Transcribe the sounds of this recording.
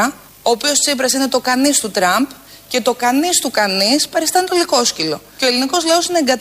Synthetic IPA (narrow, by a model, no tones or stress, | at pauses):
ɐ | oːpiost͡sip̬ɾɐsine̞t̪o̞kɐnist̪ut̪ɾɐmp | ce̞t̪o̞kɐnist̪ukɐnispɐɾist̪ɐnt̪oliko̞scilo̞ceo̞e̞liniko̞zlɐosine̞ːŋɡɐt̪